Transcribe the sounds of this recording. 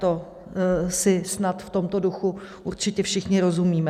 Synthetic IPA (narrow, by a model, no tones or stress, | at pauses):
t̪o̞ | sɪsnat̪ft̪o̞mt̪o̞duxuʔuɾt͡ʃɪcɛfʃɪxɲɪɾo̞zumiːmɛ